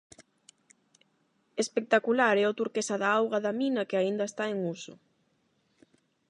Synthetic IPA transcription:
espek̚t̪akulaɾɛot̪uɾkesaðaawɣaðaminɐkeaind̪ɐest̪aeŋusʊ̰

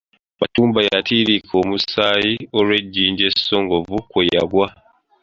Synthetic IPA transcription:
matuːmbajatiːɾikʰo̞musaːjioɾwe̞ɟːiːɲɟe̞so̞ŋɡo̞vukweja̰ɡwa

